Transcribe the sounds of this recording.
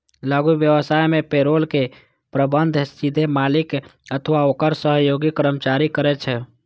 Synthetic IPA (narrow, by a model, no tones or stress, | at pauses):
laɡubjəʋəsajmepeɾolke | pɾəbənd̪ʱssid̪ʱemalikət̪ʰʋaokəɾsəɦjoɡikəɾəmt͡ʃaɾikəɾɛt͡ʃʰɛ